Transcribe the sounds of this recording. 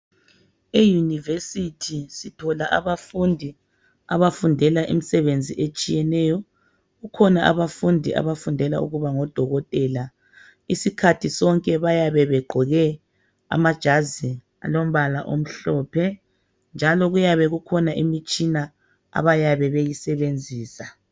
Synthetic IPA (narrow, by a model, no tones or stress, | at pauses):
ejunivesitʰisitʰɔlaʔa̰βafundʱi | a̰βafundʱɛlaʔimisɛβend͡zʱiʔet͡ʃʼijɛnɛjɔ | ɣukʰɔnaʔa̰βafundʱiʔa̰βafundʱɛlaṵɣuβaŋɔd̥ʱɔɣɔtʼɛːla | isikʰatʰisɔŋkʼɛβajaβɛβɛɡ͡ǃʱɔɣɛ | a̰mad̥ʒ̥ʱazi | a̰lom̩βalaʔo̰m̩ɬɔpʰɛ | nd͡ʒʱalɔɣujaβɛɣukʰɔnaʔimit͡ʃʼina | a̰βajaβɛβejisɛβend͡zʱiːsa